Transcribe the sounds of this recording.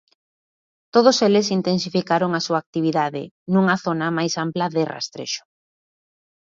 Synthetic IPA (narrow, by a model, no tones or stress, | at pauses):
t̪oð̞oselɪsint̪ensifikaɾoŋasuaːk̚t̪iβiðaðɪ̰ | nuŋaθonamajsamplɐðɪra̰st̪ɾḛʃʊ̥